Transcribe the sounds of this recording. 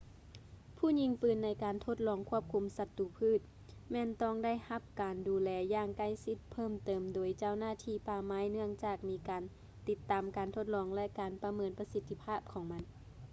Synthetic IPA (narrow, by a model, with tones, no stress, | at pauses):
pʰuː˥˩˨ɲi˧˨ŋpɯː˧˩nːa˧˥jkaː˨nt̪ʰo˧t̪̚lɔː˧˩ŋkʰu˧˥˩əp̚kʰu˧˨msa˧t̪ːuː˧˩pʰɯː˥˩˨t̪̚ | mɛː˧˥˨nt̪ɔː˥˩ŋda˥˩jha˧˥p̚kaː˨nduː˨˦lɛː˧jaː˧˩ŋka˧˥˩jsi˧˥t̪̚pʰɤː˥˩˨mt̪ɤː˨˩mdoː˨˩jt͡ɕa˧˥˩wnaː˧˥˩t̪ʰiː˧˩paː˧maː˧˥jnɯ˥˩əŋt͡ɕaː˧˩k̚miː˧˥kaː˨n | t̪i˧˥t̪ːaː˨mkaː˨˩nt̪ʰo˧˩t̪̚lɔː˧ŋlɛ˧kaː˨npa˧mɤː˨˧npa˧si˧t̪ʰːi˧pʰaː˥˩p̚kʰɔː˨˦ŋma˧˥n